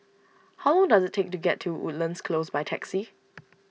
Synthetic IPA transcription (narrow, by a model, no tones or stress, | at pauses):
hawlɔ̃ŋdazɪt̚tʰːek̚tuɡɛtʰːuṵt̚lə̃nskʰlosbajtʰɛksi